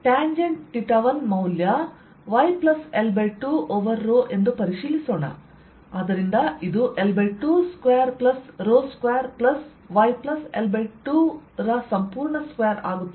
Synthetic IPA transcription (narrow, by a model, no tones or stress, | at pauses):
ʈaːɲd͡ʒeɳɖʈiʈɐʋɐnmɐwljɐ | ʋɐjplɐselbeʈuʔoʋɐɾːoːʔe̞nd̪upɐɾiʃiːlisoːɳɐ̰ | aːd̪ɐɾind̪ɐid̪uʔelbeʈuːskʋeːɐɾplɐsɾoːskʋeːɐɾplɐs | ʋɐjplɐsḛlbeʈuɾɐsɐmpuːɾɳɐskʋejɐɾa̰ːɡut̪ː